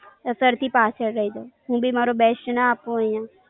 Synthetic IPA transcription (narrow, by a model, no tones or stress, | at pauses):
əsəɾt̪ʰiːpaːt͡ʃʰəɽɾəɦid̪oːɦũːbʱimaːɾobɛːsʈnaaːpõəjãː